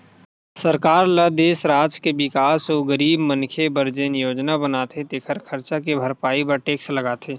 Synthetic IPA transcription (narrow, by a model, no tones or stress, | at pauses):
səɾkaːɾləd̪eːsɾaːd͡ʒkebɪkaːsoɡəɾiːbmə̃nkʰebəɾd͡ʒenɪjoːd͡ʒnabənaːt̪ʰet̪eːkʰəɾkʰɐɾt͡ʃak̬ebʱəɾpaːibəɾʈeːkslɐɡaːt̪ʰeː